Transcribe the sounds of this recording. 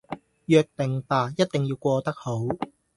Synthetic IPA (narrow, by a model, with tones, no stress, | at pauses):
jœː˧k̚t̪ɪ˨˩ŋpaː˨˩jɐ˥t̚t̪ɪ˨ŋjiː˧wkʷɔː˧t̪ɐ˥k̚ho˨˥w